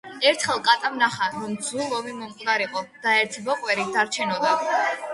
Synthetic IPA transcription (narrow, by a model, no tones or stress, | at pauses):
ɛɾt̪ʰχɛlˠkʼat̪ʼamnaχaɾɔmd̪zulˠɔvimɔmqʼd̪aɾiqʼɔd̪̥aɛɾt̪ʰbɔqʼwɛɾid̪aɾt͡ʃʰɛnɔd̪a